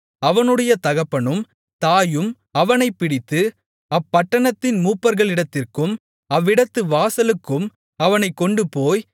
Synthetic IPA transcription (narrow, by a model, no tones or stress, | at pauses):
ɐʋɐnɯɽɐjɐt̪ɐɣɐpːɐɳɯm | t̪aːjɯm | ɐʋɐnɐɪpːɪɽɪt̪ːɯ | ɐpːɐʈːɐɳɐt̪ːɪnmuːpːɐɾɣɐɭɪɽɐt̪ːɪrkɯm | ɐʋːɪɽɐt̪ːɯʋaːsɐlɯkːɯm | ɐʋɐnɐɪkːɔɳɖɯpoːj